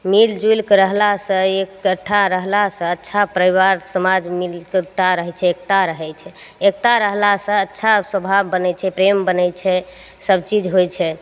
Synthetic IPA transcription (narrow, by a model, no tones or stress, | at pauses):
mild͡ʒujlkɾəɦlasə̃ekːəʈʰːaɾəɦlasə̃ətːʃʰapɾəibaɾsəmad͡ʒmilkt̪aɾəɦɛt͡ʃʰɛek̚t̪aɾəɦɛt͡ʃʰɛ | ek̚t̪aɾəɦlasə̃ətːʃʰasəbʱabːənɛt͡ʃʰɛpɾembənɛt͡ʃʰɛ | səbt͡ʃid͡ʒɦojt͡ʃʰɛ